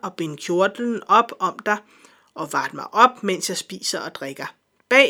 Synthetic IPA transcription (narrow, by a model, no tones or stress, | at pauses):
ɒ̽b̥enkʰjo̝ɐd̥ln̩ɒ̽b̥ɒ̽m̰d̥ɑ̈ | ʔɒ̽ʋɑ̈d̥mɑ̈ɪʔɒ̽b̥men̰sjɑ̈sb̥ḭːsɐʔɒ̽d̥ʁɛɡ̥ɐ | b̥ɛ̰